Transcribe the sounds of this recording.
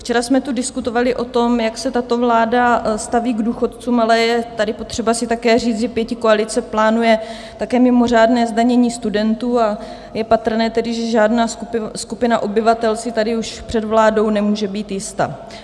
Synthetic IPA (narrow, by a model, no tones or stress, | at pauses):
ft͡ʃɛɾasmɛt̪udɪskut̪o̞valɪʔo̞t̪o̞mjaksɛt̪at̪o̞vlaːdast̪aviːɡduːxo̞t̪t͡suːmalɛjɛt̪adɪpot̪r̝̥ɛbasɪt̪akɛːriːt͡sʒɛpjɛcɪkoalɪt͡sɛplaːnujɛ | t̪akɛːmɪmo̞r̝aːdnɛːzdaɲɛɲiːst̪udɛnt̪uːa | jɛpat̪r̩nɛːt̪ɛdɪʒɛʒaːdnaːskupɪnaʔo̞bɪvat̪ɛlsɪt̪adɪuʃpr̥ɛd̪vlaːdo̞wnɛmuːʒɛbiːt̪jɪst̪a̰